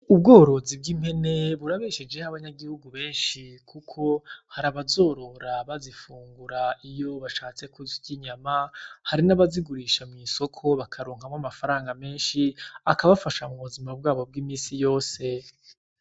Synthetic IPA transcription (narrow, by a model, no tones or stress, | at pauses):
ub̚ɡoːɾo̞zib̚ɡiːm̥he̞ne̞βuɾaβeʃed͡ʒe̞haβaɲaɡihuɡuβe̞ːnʃikʰukʰo̞haɾaβazo̞ːɾo̞ɾaβazifuːŋɡuɾaijo̞βaʃaːt͡se̞kuziciɲamahaɾinaβaziɡuɾiʃamŋiːsokʰo̞βakʰaɾoːŋhamwamafaɾaːŋɡame̞ːnʃiakaβafaʃamuβuzimab̚ɡaːβo̞b̚ɡiːmiːsijo̞ːse̞